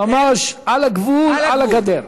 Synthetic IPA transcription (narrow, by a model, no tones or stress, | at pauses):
amaʃalaɡvulalaɡad̪eɾ